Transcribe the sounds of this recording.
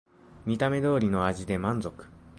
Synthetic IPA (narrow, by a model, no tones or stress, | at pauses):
mʲit̪ame̞d̪o̞ːɾʲino̞aʑid̪e̞mãnd͡zo̞kɯ̟̥